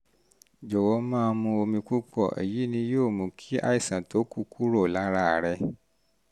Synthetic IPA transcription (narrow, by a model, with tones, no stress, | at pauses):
d͡ʒɔ˨wɔ˨˧˦mãː˦˧mũ˧o˧mĩ˧ku˦k͡pɔ˦˨ʔḛ˨ji˨˦nĩ˧joː˦˨mũ˨kʰi˦a̰˦i˨sã˨to˨˦ku˦ku˦ɾo˦˨la˨˦ɾa˦˨ɾɛ˧